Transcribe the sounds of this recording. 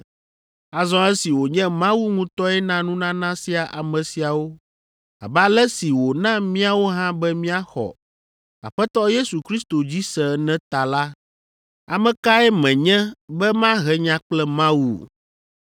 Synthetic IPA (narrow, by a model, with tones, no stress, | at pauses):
a˨zɔ̃˦ɛ˦si˨wo˨ɲɛ̃˦mã˦wu˦ŋũ˦t̪ɔ˦ɛ˦nã˦nũ˦nã˦nã˦si˨a˨ʔa˨mɛ̃˨si˨a˨wo˦ | a̰˨bɛ˦a˦lɛ˦si˨wo˨nã˦mĩ˦a˨wo˦ɦã˦bɛ˦mĩ˦a˦xɔ̰˨ | a̰˨ɸɛ˦t̪ɔ˦je˦su˨kɾi˦st̪o˨d͡ʑi˦sɛ˨˦nɛ̃˦t̪a˨la˦ | a˨mɛ̃˨ka˦ɛ˦mɛ̃˨ɲɛ̃˦bɛ˦mã˦ɦɛ˨ɲã˦k͡plɛ˦mã˦wṵ˨